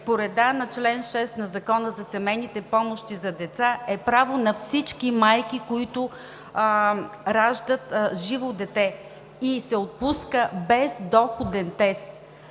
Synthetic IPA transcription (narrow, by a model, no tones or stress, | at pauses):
poɾɛd̪anɐt͡ʃlɛnʃɛst̪nɐzɐkɔnəzɐsɛmɛjnit̪ɛpɔmoʃt̪izɐd̪ɛt̪saɛpɾavonɐfsit͡ʃkimajk̟ikoit̪ʊ | ɾaʒd̪ət̪ʒivod̪ɛt̪ɛ | isɛot̪̚puskəbɛzd̪ɔxod̪ɛnt̪ɛst̪̚